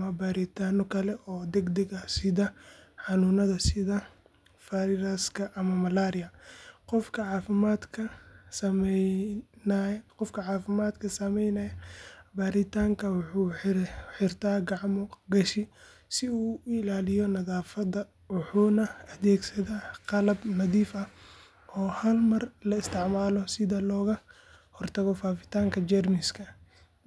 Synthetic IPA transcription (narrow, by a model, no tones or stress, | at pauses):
ɐmɐbaːɾɪt̪ʰaːnɔkʰɐlɛʔɔːd̪ɛɡd̪ɛɡɐsɪðɐħɑnuːnɐðɐsɪðɐ | faɾɪɾɐskʰɐʔɐmɐmɐlaːɾɪjɐqɔfkʰɐʕɑːfɪmaːd̪kʰɐsɐm | nqɔfkʰɐʕɑːfɪmaːd̪kʰɐsɐmɛjnɐjɐbaːɾɪt̪ʰaːŋkʰɐwʊħuːħɪrt̪ʰaːɡɑʕmɔɡɐʃɪ | sɪuːɪlaːlɪjɔnɐðaːfɐdɐ | wʊħuːnɐɐðɛːɡsɐðaːqɑlɐbnɐðiːfɐh | ʔɔːhɐlmɐrlɐɪst̪ʰɪʕmaːlɔsɪðɐlɔːɣɐ | hɔrt̪ʰɐɣɔfaːfɪ̥t̪ʰaːŋkʰɐd͡ʒɛrmɪskʰɐ